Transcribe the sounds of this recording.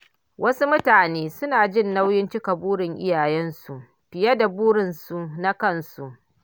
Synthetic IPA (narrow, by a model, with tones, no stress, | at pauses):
wʔɐ˦su˦mʊ˦taː˨neː˦sʊ˦naː˨d͡ʒɪ˦˨nːa˦wjɪ˦nt͡ʃɪ˦ka˨buː˦ɽɪ˨ŋʔɪ̰˦jaː˨jɛ˦nsu˨ʔ | ɸɪ˨jɐ˦da˨buː˦ɽɪ˨nsu˨na˦kɐ˦˨nsu˨ʔ